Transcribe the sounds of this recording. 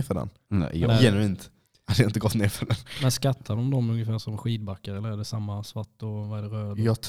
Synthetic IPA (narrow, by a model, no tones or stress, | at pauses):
fœɖɛ̰n | nɛ̰j̪jɛnʉɪnt̪ | had̪əjaɪnt̪əɡɔt̪ːneːɾfœɖɛnmɛnskat̪ʰːad̪ɔmd̪ɔmɵnjəfæːɾʂɔmɧiːd̪̚bakːaɾɛlːəɾæɖɛsamːasvaʈːɔvaɛɖɛɾøːd̪jɑt̪ʰ